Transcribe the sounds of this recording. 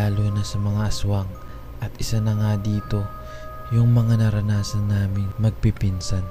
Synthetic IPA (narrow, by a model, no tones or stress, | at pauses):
aːloːnɐsɐmɐŋaʔɐswɐŋ | ʔɐt̪ʔɪsanɐŋad̪iːt̪o̞ | jʊŋmɐŋanɐɾɐnaːsɐnːaːmɪnmɐɡ̚pipinsɐn